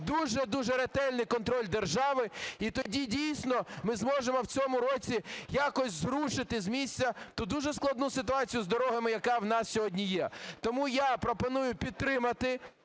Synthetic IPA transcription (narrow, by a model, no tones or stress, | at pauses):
d̪uʒɛd̪uʒɛɾet̪ɛlʲnɪjkɔnt̪ɾɔlʲd̪erʒɑʋɪit̪ɔdʲidʲijsʲnɔmɪzmɔʒemɔwt͡sʲɔmʊɾɔt͡sʲijakɔsʲzɾuʃɪt̪ɪzmʲisʲt͡sʲɐt̪ɔd̪uʒɛsklˠɐd̪nusɪt̪ʊɑt͡sʲijʊzd̪ɔɾɔɦɐmɪjɐkɑwnɑssʲɔɦɔdʲnʲijɛt̪ɔmujapɾɔpɔnujʊpʲid̪̚t̪ɾɪmɐt̪ɪ